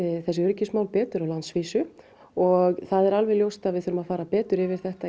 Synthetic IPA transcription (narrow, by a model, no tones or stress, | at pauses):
ɪθɛsːɪʏɾcɪsmawlpɛːt̪ʏɾawlansviːsʏ | ɔɣθaðɛɾalvɛljowst̪aðvɪðʏɾʏmaðfaːɾapɛːt̪ʏɾɪvɪɾ̥θɛht̪a